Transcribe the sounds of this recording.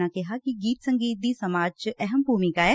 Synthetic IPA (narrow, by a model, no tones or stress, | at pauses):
ãkɪɦaːkiɡiːt̪səŋɡiːt̪̚d̪iːsɐmaːd͡ʒt͡ʃɛɦəmbʱuːmɪkaːɛː